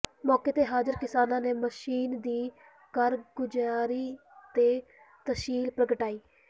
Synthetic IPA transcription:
mɔːkeːt̪eːɦaːzəɾkɪsaːnãːneːməʃiːnd̪iː | kəɾɡʊd͡ʒaːɾiː | t̪eː | t̪əʃiːlpɾəkəʈaːiː

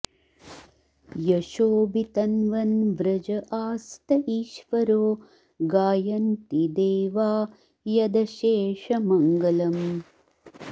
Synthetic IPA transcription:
jɐʃoːbit̪ɐnʋɐnʋɾɐd͡ʒɐʔaːst̪ɐʔiːʃʋɐɾoː | ɡaːjɐnt̪id̪eːʋaː | jɐd̪ɐʃeːʂɐmɐŋɡɐlɐm

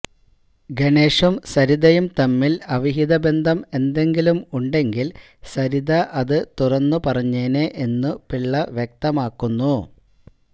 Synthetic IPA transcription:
ɡeɳe̞ːʂumsɐɾiðɐjumt̪ɐmːilɐʋiɦiðɐbe̞nd̪ʱɐme̞nd̪e̞ŋɡilumuɳɖe̞ŋɡil | sɐɾiðɐʔɐðɨt̪urɐnːupɐrɐɲːeːneʔenːupiɭːɐʋjek̚t̪ɐmaːkːunːu

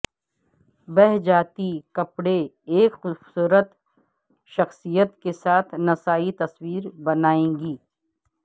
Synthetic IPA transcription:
bɛɦd͡ʒaːt̪ikɐpɽe | eːkxʊbsuːɾət̪ | ʃɐxsijət̪kesaːt̪ʰnɐsaːit̪ɐswiːɾbɐnaːẽːŋɡiː

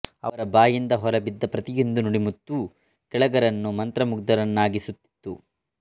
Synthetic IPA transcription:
ɐ̰ʋɐɾɐbaːjind̪ɐɦɔɾɐbid̪ːɐpɾɐt̪ijind̪unuɽimut̪ːu | kɛɭɐɡɐɾɐnːumɐnt̪ɾɐmuɡd̪ɐɾɐnːaːɡisut̪ːi̥t̪ːu

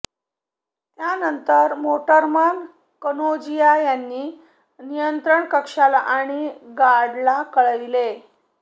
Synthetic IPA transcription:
t̪janənt̪əɾmoʈəɾman | kənod͡ʑijajanːiː | nijənt̪ɾəɳkəkʂalaʔaɽ̃iɡaɽlakəɭəʋile

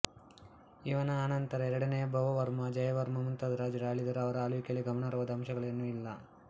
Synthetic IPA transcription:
iʋɐnɐaːnɐnt̪ɐɾɐɛɾɐɽɐnejɐbʱɐʋɐʋɐɾmɐd͡ʒɐjɐʋɐɾmɐmunt̪ɐd̪ɾaːd͡ʒɐɾaːɭid̪ɐɾuɐʋɐɾɐːluʋikjɐlːiɡɐmɐɳɐɾɐʋɐd̪ɐɐmʃɐɡɐɭenːuilːɐ

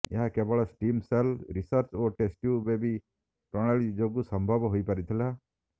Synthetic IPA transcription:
ḛɦakebɔɭasʈiːmselɾisəɾt͡ʃoʈesʈjubebi | pɾɔ̃aɭid͡ʒoɡusəmbʱəbɦoipaɾit̪ʰila

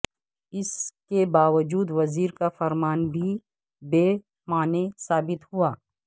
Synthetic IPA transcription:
ɪskebaːʋəd͡ʒuːd̪ʋɐziːɾkafɐɾmaːnbʱi | beː | maːnesaːbɪt̪ɦʊaː

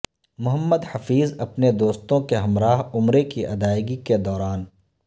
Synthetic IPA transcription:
mʊɦəmːəd̪hɐfiːzɐpned̪oːst̪õkeɦɐmɾaːɦʊmɾekiʔɐd̪aːɪɡiked̪ɔːɾaːn

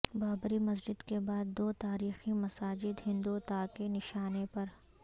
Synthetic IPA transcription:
baːbɾimɐs̬d͡ʒɪd̪kebaːd̪ːoːt̪aːɾiːximɐsaːd͡ʒɪd̪ɦɪ̃nd̪ut̪aːkenɪʃaːnepɐɾ

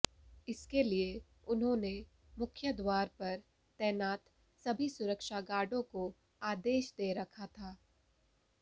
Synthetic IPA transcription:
ɪskelie | ʊnɦõne | mʊkʰjəd̪waːɾpɐɾ | t̪ɛːnaːt̪ | sɐbʱisʊɾəkʃaɡaːɖõko | aːd̪eːʃd̪eːɾɐkʰat̪ʰaː

